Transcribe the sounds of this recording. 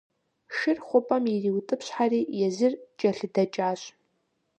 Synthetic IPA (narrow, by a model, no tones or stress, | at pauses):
ʃɨrχʷʊpʼɐmiriwtʼɨpʰɕħariːjɛzɨrt͡ʃʼɐɬɨdɐt͡ʃʼaːɕʷʼ